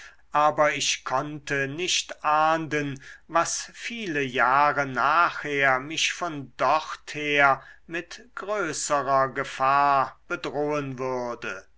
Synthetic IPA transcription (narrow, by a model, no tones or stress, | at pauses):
ʔaːbɐɪʃkʰɔntənɪʃtʔaːndənvasfiːləjaːʁənaːχheːɐmɪʃfɔndɔχtheːɐmɪtɡ̥ʁøːsəʁɐɡəfaːɐb̥ədʁoːənvʏɐdə